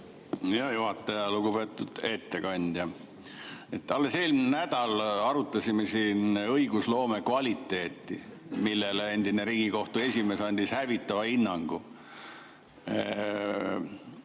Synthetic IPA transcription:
jɑjuɦɑt̪ːˑɑjɑluɡupe̞ːt̪ːˑud̪̥e̞ːt̪ːe̞kɑnʲd̪̥jɑ | e̞t̪ːɑlːe̞selmnæd̪̥ɑlɑɾut̪ːˑɑsʲimesiːnɤiɡ̥uslo̞ːme̞kvɑlʲit̪ːˑe̞ːt̪ːˑimilːele̞nʲd̪̥ineɾiːɡ̥iko̞ht̪ue̞sʲime̞ːsɑnʲd̪̥ishævit̪ˑːɑvɑinːɑŋɡ̥u

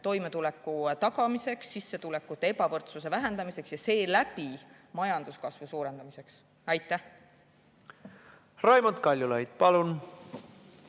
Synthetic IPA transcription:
t̪o̞jmet̪ulekːut̪ɑɡɑmiseksːisːe̞t̪ule̞kːˑut̪ːˑee̞pɑvɤrt̪suse̞væɦend̪̥ɑmise̞ksjɑse̞ːlæpi | mɑjɑnd̪̥uskɑsvusuːɾe̞nd̪ɑmise̞ks | ɑjt̪ːˑæh | rɑjmɑt̪kɑlʲjulɑjd̪̥̚pɑlun

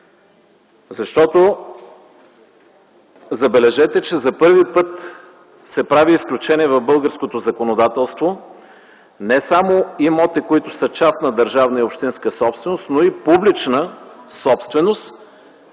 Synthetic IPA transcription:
zɐʃt̪ɔt̪o | zɐbɛlɛʒɛt̪ɛt͡ʃɛzɐpɤɾvipɤt̪ | sɛpɾaviːsklʲut͡ʃɛniɛvɐvbɤlˠɡəɾskot̪ozɐkonod̪at̪ɛlˠst̪vo | nɛsamoimɔt̪ikoit̪ʊsət͡ʃasnɐd̪ɐɾʒavnəiopʃt̪inskəsɔpst̪vɛnost̪noipublit͡ʃnəsɔpst̪vɛnost̪

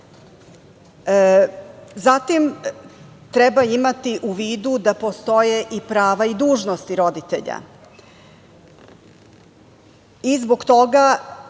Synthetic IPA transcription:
zat̪im | t̪ɾɛbaimat̪iʔuʋiːd̪ud̪apo̞st̪o̞je̞ʔipɾaːʋaid̪uːʒnost̪iɾo̞d̪it̪ḛʎa̰ | izbo̞ɡt̪o̞ɡa

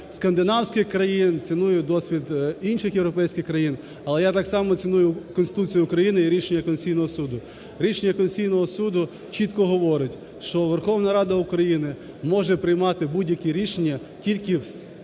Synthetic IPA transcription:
skɐnd̪ɪnɑwsʲkʲɪxkɾɐjint͡sʲɪnujʊd̪ɔsʲʋʲid̪inʃɪxjewɾɔpɛjsʲkʲɪxkɾɐjin | ɐlˠɛjat̪ɑksɑmɔt͡sʲɪnujʊkɔnst̪ɪ̥t̪ut͡sʲijʊʊkɾɐjinɪiɾʲiʃenʲːɐkɔnʲsʲijnɔɦɔsud̪ʊ | ɾʲiʃenʲːɐkɔnsʲijnɔɦɔsud̪ʊ | t͡ʃit̪kɔɦɔʋɔɾɪtʲ | ʃt͡ʃɔʋerxɔʋnɐɾɑd̪ɐʊkɾɐjinɪ | mɔʒɛpɾɪjmɑt̪ɪbudʲjɐkʲiɾʲiʃenʲːɐ | tʲilʲkɪws

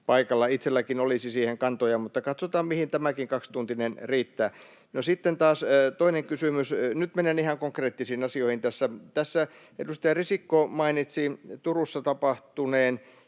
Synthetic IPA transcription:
pɑikɑlːɑit̪selːækinolisisiːheŋkɑnt̪ojɑmut̪ːɑkɑt̪sot̪ɑːmmihint̪æmækiŋkɑkst̪unt̪inenriːt̪ːæː | nosit̪ːent̪ɑːst̪oineŋkysymysnyt̪menenihɑŋkoŋkreːt̪ːisiːnɑsioihint̪æsːæt̪æsːæ | ḛdust̪ɑjɑrisikːomɑinit̪sit̪urusːɑt̪ɑpɑht̪uneːn

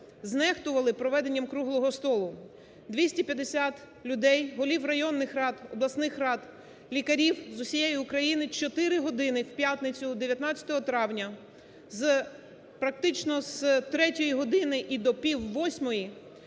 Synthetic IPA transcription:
znɛxt̪ʊʋɐlˠɪpɾɔʋɛd̪e̞nʲːɐmkɾuɦlˠɔɦɔst̪ɔlˠʊ | d̪ʋʲisʲtʲipʲjɐd̪esʲat̪ | lʲʊd̪ɛjɦɔlʲiwrɐjɔnːɪxrɑt̪ɔblˠɐsnɪxrɑt̪ | lʲikɐɾʲiwzʊsʲijejʊʊkɾɐjinɪt͡ʃɔt̪ɪɾɪɦɔd̪ɪnɪwpʲjat̪nɪt͡sʲʊd̪eʋʲjɐt̪nɑt͡sʲɐ̥t̪ɔɦɔt̪ɾɑwnʲɐ | z | pɾɐk̚t̪ɪt͡ʃnɔzt̪ɾɛtʲɔjiɦɔd̪ɪnɪʔid̪ɔpʲiwːɔsʲmɔji

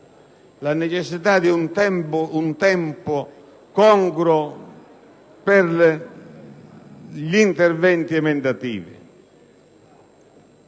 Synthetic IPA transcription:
lanɛt͡ʃɛsːit̪ad̪iunt̪ɛmpʊunt̪ɛmpʊ | kɔŋkɾɔ | pɛɾl | ʎint̪ɛɾvɛnt̪iɛmɛnd̪at̪ḭːvɪ̰

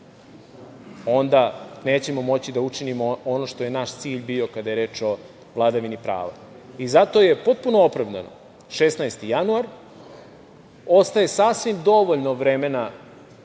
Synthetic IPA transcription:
o̞nd̪aneːt͡ɕe̞mo̞mo̞t͡ɕid̪aut͡ʂinimoono̞ʃt̪o̞je̞naʃt̪siːʎbio̞kad̪aje̞ɾe̞ːt͡ʂo̞ | ʋlˠad̪aʋinipɾa̰ːʋa̰ | izat̪o̞je̞po̞t̪̚punoopɾaʋd̪a̰no̞̰ | ʃesnajst̪ijanuaɾ | o̞st̪aje̞sasʋimd̪o̞ʋoʎnoʋɾemena

